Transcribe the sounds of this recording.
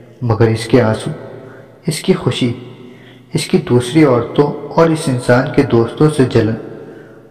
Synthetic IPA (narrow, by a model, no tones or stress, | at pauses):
mɐɡəɾɪskeaːsu | ɪskixʊʃi | ɪskid̪uːsɾiɔːɾt̪õɔːɾɪsɪnsaːnked̪oːst̪õsed͡ʒɐlən